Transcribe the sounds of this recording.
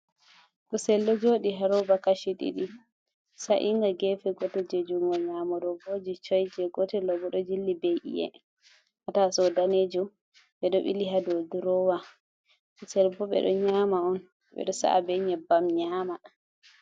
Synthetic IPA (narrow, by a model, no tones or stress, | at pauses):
ɗusɛlːɔd͡ʒoɗiɦaɾɔbakaʃiɗḭɗi | saʔiŋɡaɡɛfɛɡɔtɛd͡ʒed͡ʒuŋɡɔɲaːmɔɗɔboːd͡ʒit͡ʃɔjd͡ʒɛɡɔtɛlɔbɔɗɔd͡ʒilːibejʔḭɛ̰ | hatasɔdaned͡ʒu | ɓɛɗɔɓḭliɦadɔduɾɔwa | ʔusɛlbɔɓɛ̰ɗɔ̰ɲaːmaɔn | ɓɛ̰ɗɔsa̰ʔa̰bɛɲɛbamɲaːma